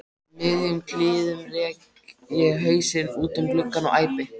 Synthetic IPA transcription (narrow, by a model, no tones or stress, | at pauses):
mɪðjʏmkʰlɪːðʏmrɛːk | jɛɣɦœːɥsɪnuːt̪ʏmplʏkːanɔ̰ɣʔaːjpɪ